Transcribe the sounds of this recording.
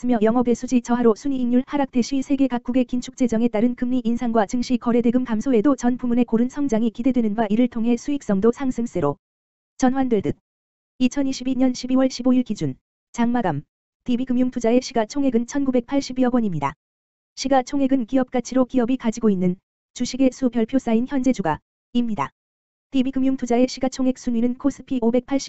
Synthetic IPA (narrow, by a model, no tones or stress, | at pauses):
ɯmjʌjʌŋʌbe̞sʰud͡ʑit͡ɕʌɦaɾosʰuɲiiŋɲuɭhaɾak̚tʰe̞ɕʰisʰe̞ɡe̞kak͈̚uɡe̞kint͡ɕʰu̥k̚t͡ɕ͈e̞d͡ʑʌŋe̞t͈aɾɯnkɯmɲiʔinsʰaŋɡwat͡ɕɯŋɕʰikʌɾe̞deɡɯmkamsʰoe̞dot͡ɕʌnpumune̞koɾɯnsʰʌŋd͡ʑaŋikide̞dwe̞nɯnɡwaʔiɾɯɭtʰoŋɦe̞sʰuik̚s͈ʌŋdosʰaŋsʰɯms͈eɾo | t͡ɕʌnɸwandeɭdɯk̚ | it͡ɕʰʌniɕʰibiɲʌnɕʰibiwʌɭɕʰiboiɭkid͡ʑun | t͡ɕaŋmaɡam | tibiɡɯmjuŋtʰud͡ʑaeɕʰiɡat͡ɕʰoŋɦe̞ɡɯnt͡ɕʰʌnɡube̞k̚pʰaɭɕ͈ibiʌɡwʌɲimɲida̰ | ɕʰiɡat͡ɕʰoŋɦe̞ɡɯnkiʌp̚k͈at͡ɕʰiɾokiʌbikad͡ʑiɡoinːɯn | t͡ɕuɕʰiɡe̞sʰupjʌɭpʰjos͈ainçjʌnd͡ʑe̞d͡ʑuɡa | imɲida̰ | tibiɡɯmjuŋtʰud͡ʑae̞ɕʰiɡat͡ɕʰoŋɦe̞k̚s͈ʰuɲɥinɯnkʰos͈ʰɯ̥pʰiobe̞k̚pʰaɭɕ͈i̥